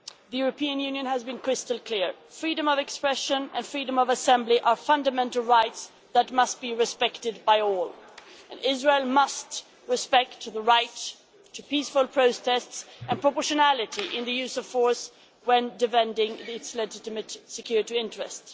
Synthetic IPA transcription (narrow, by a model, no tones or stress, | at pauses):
ðɨjʉɹɨpʰĩɨ̃njʉ̃njɨ̃nəzbɨ̃nkʰɹ̥ɪstəlˠkʰl̥ɪɹ | fɹiɾɨ̃mʌvɨkspɹɛʃə̃nɨ̰̃nfɹiɾə̃mʌvəsɛ̃mbliʔə˞fʌ̃ndəmɛ̃ntl̩ˠɹaɪts | ðət̚mʌst̚b̥iɹɨspɛktɨd̚baɪɔlˠ | ʔɨ̃nɪzɹeɪlˠmʌst | ɹɨspɛk̚tʰðəɹaɪtʰ | ɨpisfʊlˠpʰɹ̥oʊtʰɛstsʔɨ̃npʰɹəpɔɹʃɨnælˠɨɾiʔɪ̃nðɨjʉzʌv̥fɔɹs | wɨ̃ndɨfɛ̃ndɪ̃ŋɪtslɨd͡ʒɪɾɨmɨtsɨkʰj̥ʊɹɾɨɪ̃ntɹ̥ɨ̰st